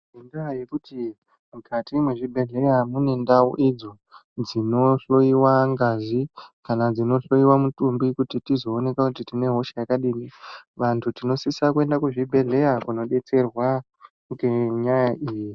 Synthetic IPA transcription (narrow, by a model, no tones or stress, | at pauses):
endaje̞kuti | mukatimweʐibʱe̞ɮe̞jamune̞ndao̰ʔid͡zo̞ | d͡zino̞ɬo̞iwaŋɡazikanad͡zino̞ɬo̞iwamutumbikutitizo̞ːne̞kakutitine̞ɦo̞ʃejakaɗiːniʋantʰutino̞sisakue̞ndakuʐibʱe̞ɮe̞jakuno̞ɗe̞t͡se̞rwa | ŋɡeɲajaʔiːji